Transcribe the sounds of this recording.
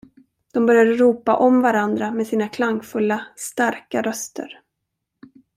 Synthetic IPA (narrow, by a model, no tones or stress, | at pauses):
d̪̥ɔmbœɾjad̪əɾuːpaʔɔmvaɾand̪ɾameːd̪siːnakʰlaŋfɵlːast̪aɾkaɾœst̪ə̰ɾ